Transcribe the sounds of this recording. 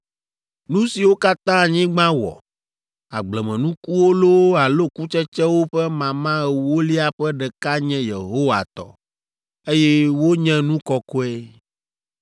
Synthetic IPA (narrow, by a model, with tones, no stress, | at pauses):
nũ˦si˨wo˦ka˦t̪ã˦˨ɲĩ˦ɡ͡bã˦wɔ̰˨ | a̰˨ɡ͡blɛ˨mɛ̃˨nũ˦ku˦wo˦lo˦a˨lo˦ku˦t͡ʃɛ˦t͡ʃɛ˦wo˦ɸɛ˦mã˨mã˦ɛ˨wo˦li˦a˨ɸɛ˦ɖɛ˨ka˦ɲɛ̃˦je˨ɦo˦wa̰˨t̪ɔ̰˨ | e˦jɛ˦wo˦ɲɛ̃˦nũ˦kɔ˨ko˦ɛ˦